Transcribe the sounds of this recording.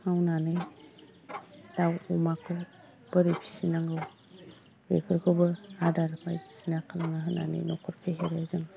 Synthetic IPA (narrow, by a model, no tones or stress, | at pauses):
ŋawnanɯj | dawumakʰɯw | b̥ɯɾipʰi̥sinaŋɡɯw | ḛkʰɯɾkʰɯbɯadaɾmajpʰi̥sinakʰɯnaŋaɦɯna̰nɯ̰jnɔkʰɯɾpʰeɦeɾezɯŋ